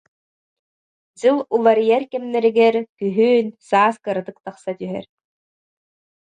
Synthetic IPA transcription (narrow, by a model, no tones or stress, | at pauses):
d͡ʑɯlˠulˠaɾijɛɾkɛmnːɛɾiɡɛɾkyɦyːnsaːskɯɾɯt̪ɯk̚t̪aχsat̪yɦɛ̰ɾ